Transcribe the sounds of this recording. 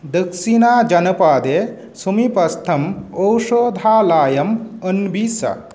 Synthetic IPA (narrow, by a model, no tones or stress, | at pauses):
d̪əksinaːd͡ʒɐnɐpaːd̪eː | sumipɐst̪ʰɐməwʃoːd̪ʱaːlaːjɐmənbiːsɐ̰